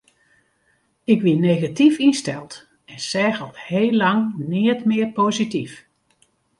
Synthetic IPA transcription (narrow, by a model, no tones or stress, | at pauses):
ɪkʋinejɣatifinstɛlˠt | ɛnsɛːɣəlˠtheːlːɑŋnɪətmɪərpozitif